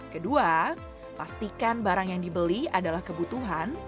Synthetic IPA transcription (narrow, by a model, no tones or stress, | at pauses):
kədua | past̪ikanbaɾaŋjaŋdibəliadalahkəbut̪uɦan